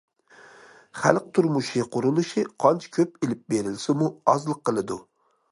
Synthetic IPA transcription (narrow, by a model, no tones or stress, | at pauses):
χæ̰lˠqt̪ʰuɾmuʃiqʰʊɾulˠuʃɨqʰɑnt͡ʃʰɪ̥kʲʰøp̚elɪp̚beɾɪlsɪmuɑzlˠəqːəlˠɨd̪u